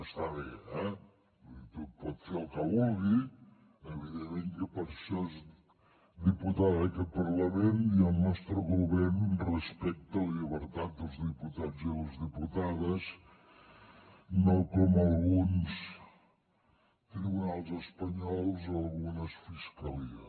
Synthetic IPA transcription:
əst̪aβeɛ | it̪ut̪̚pɔt̪feəlˠkəβɔlˠɣi | əβiðemẽŋkəpəɾsoz | d̪iput̪aðkəpəɾləmeniəlˠnɔst̪ɾəɣuβɛɾnrəspɛk̚t̪əlʎəβəɾt̪at̪̚d̪əlˠzðiput̪ad͡ziləzðiput̪aðəs | nokɔməlˠɣuns | t̪ɾiβunalˠzəspəɲɔlˠzəlˠɣunəsfiskəliə̰

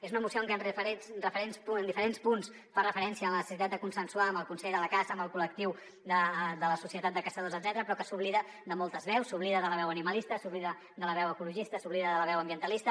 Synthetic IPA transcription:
ezunəmusioəŋkɛənrəfəɾesnrəfəɾenspuənd̪ifəɾenspuns | farəfəɾɛnsiəːmlənəsəsit̪at̪̚d̪əkunsənsuaəmbəlˠkunsɛʎðələkazəːmbəlˠkulək̚t̪iw | d̪əd̪ələsusiət̪at̪̚d̪əkəsəðozəd̪zɛt̪əɾəpɾɔkəsuβliðə | d̪əmɔlˠt̪əzβɛwsuβliðəðələβɛwəniməlist̪əsuβliðə | d̪ələβ̞ɛwəkuluʒist̪əsuβliðəðələβɛwəmbiənt̪əlist̪ə

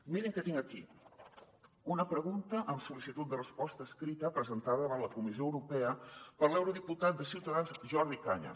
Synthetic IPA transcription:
miɾəŋkət̪iŋɡəki | unəpɾəɣunt̪əʔəmsulisit̪ut̪̚d̪ərəspɔst̪əːskɾit̪əpɾəzənt̪aðəβələkumizijoəwɾupɛəpəɾlɛwɾuðiput̪at̪̚d̪əsiwt̪əðanzʒɔɾðikaɲə̰

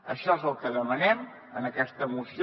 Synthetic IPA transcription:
əʃɔezəlˠkəðəmənɛm | ənəkɛst̪əːmusi

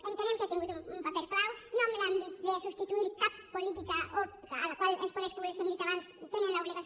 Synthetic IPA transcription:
ent̪eɾemkat̪eŋɡut̪uumpapeɾklawnõmelambit̪̚ðesust̪it̪uiɾkapːolit̪̬ikao | a̰lakwalḛspoðeʃpuβeɾsend̪it̪kaβanst̪eŋẽnlaoβliɣa

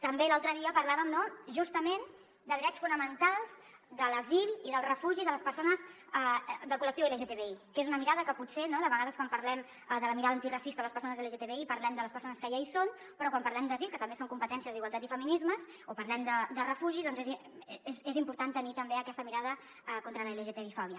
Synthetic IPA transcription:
t̪əmbelalˠt̪ɾəðiəpəɾlaβəmnoʒust̪əmen | d̪əðɾɛt͡sfunəmənt̪alˠz̥ | d̪ələziliðəlˠrəfuʒiðələspəɾsonəz | əd̪əlˠkulək̚t̪iweleʒet̪eβeikezunəmiɾaðəkəput̪senoðəβəɣaðəskwampəɾlɛm | ðələmiɾaðəːnt̪irəsist̪ələspəɾsonəzeleʒet̪eβeipəɾlɛmd̪ələspəɾsonəskəjaison | pəɾɔkwampəɾlɛmd̪əzilˠkət̪əmbesoŋkumpət̪ɛnsiəzd̪iɣwalˠt̪at̪ifəminizməz | opəɾlɛmd̪əd̪ərəfuʒiðɔnzez | ezezimpuɾt̪ant̪ənit̪əmbeəkɛst̪əmiɾað̞ə | kont̪ɾələeleʒet̪eβifɔβjə

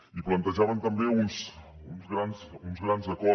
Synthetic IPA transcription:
iplant̪aʒaβant̪ambeunsunzɣɾanzunzɣɾanzakɔ

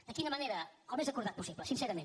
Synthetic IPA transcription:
d̪̥əkinəməneɾəəlˠmezəkuɾðat̪pusiβləsinsɛɾəmẽn

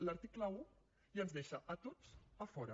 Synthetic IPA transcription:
ləɾt̪ikləu | iənzðeʃəʔət̪ot͡səfɔɾə

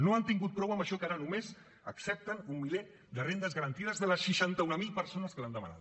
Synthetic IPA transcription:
noant̪iŋɡut̪̚pɾɔwəmbəʃɔkaɾənumez | əksɛp̚t̪ənumːile | d̪ərend̪əzɣəɾənt̪iðəzðələsʃəʃant̪əunəmilˠpəɾsonəskəland̪əmə̰na̰t̪

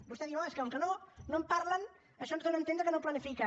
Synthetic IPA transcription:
bust̪ɛðiwaskawŋkənonompaɾlən | əʃɔnzðonənt̪end̪ɾəkənoplanifika

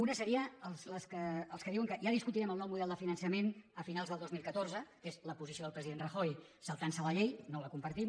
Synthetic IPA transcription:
unəsəɾiəəlˠsləskəːlˠskəðiwəŋkəʒaðiskut̪iɾɛməlˠnɔwmuðɛlˠd̪əfinənsəmenəfinalˠzðəlˠd̪ozmilˠkət̪orzəkezləpuzisioðəlpɾəziðendrəxojsəlˠt̪ansələʎejnoləkumpəɾt̪im

